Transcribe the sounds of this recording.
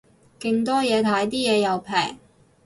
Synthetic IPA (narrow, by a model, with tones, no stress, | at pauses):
kɪ˧ŋt̪ɔː˥jɛː˨˧t̪ʰaː˨˥jt̪iː˥jɛː˨˧jɐ˨wpʰɛ̰ː˨˩ŋ